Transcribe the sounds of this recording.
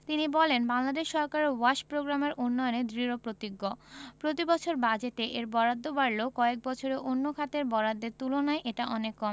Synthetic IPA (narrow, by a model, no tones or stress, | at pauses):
t̪inibɔlenbaŋlad̪eʃːɔɾkaɾwaʃpɾoɡɾameɾunːɔjoned̪ɾiɾopɾot̪iɡːopɾot̪ibɔt͡ɕʰoɾbad͡ʑet̪eʔeɾbɔɾad̪ʱːobaɾlokɔek̚bɔt͡ɕʰoɾeʔonːokʰat̪eɾbɔɾad̪ʱːeɾt̪ulonaeʔeʈaʔɔnekːɔm